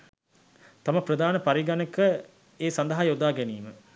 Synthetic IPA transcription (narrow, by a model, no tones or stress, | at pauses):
t̪aməprəd̪aːnəpaɾiɡanekə | eːsand̪əɦajod̪aːɡeniːmə